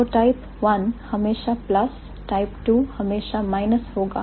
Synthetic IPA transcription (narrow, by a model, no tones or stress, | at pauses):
oʈajp | ʋɐnhɐmeːʃaplɐs | ʈajpʈuːhɐmeːʃamajnɐshoːɡa̰ː